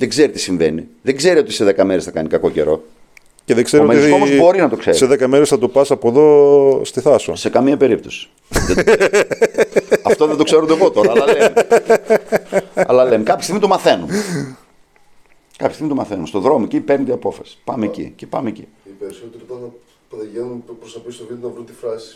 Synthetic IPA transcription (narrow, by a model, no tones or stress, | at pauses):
ðeɡzeɾit̪i̥siɱveniðeɡze̞ɾio̞t̪iseðekɐmeɾesθɐkɐnikɐko̞ce̞̰ɾo̞̰ | ceðeɡzeɾiomeioozbo̞ɾinɐt̪okseɾiseðekɐmeɾesθɐt̪upɐsɐpoðo̞st̪iθɐso̰sekɐmiɐpe̞ɾip̚t̪osi̥ | ðe | ɐft̪oðend̪okseɾond̪eɣot̪oɾɐee | ɐ̰lɐlemekɐpçɐst̪iɣmit̪omɐθe̞nun | kɐpçst̪imit̪omɐθenunst̪o̞ðɾo̞moecipeɾnet̪iɐpo̞fɐ̰si̥pɐmeecḭce̥pɐmeecḭ | ipeɾsot̪ikot̪ɐnɐ | pðeʝenunpɾosɐpisolinnɐvɾunt̪ifɾɐsi̥